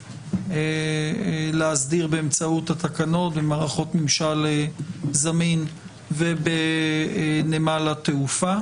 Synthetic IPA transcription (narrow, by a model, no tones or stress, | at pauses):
e | leazdiʁbeemt͡sauthat̪akano̞tbemaːʁaχo̞tmimʃalezamin | vebe | nemalat̪eufa